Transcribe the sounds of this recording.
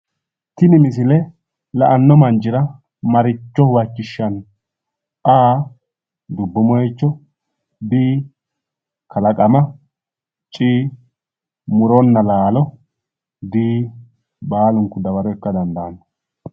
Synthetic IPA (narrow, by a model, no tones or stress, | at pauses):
t̪ɪnɪmɪs̬ɪlɛ | lɐʔɐnːɔmɐnd͡ʒɪɾɐ | mɐɾɪt͡ʃːɔhwɐt͡ʃːɪʃːɐn | ʔaː | d̪ʊbːʊmɔjɛt͡ʃːɔ | d̪iː | kʰɐlɐkʼɐmɐ | t͡ʃʼiː | mʊɾɔnːɐlaːlɔ | d̪iː | baːlʊŋkːʊd̪ɐbɐɾɔɛkːɐd̪ɐnd̪ɐːnɐ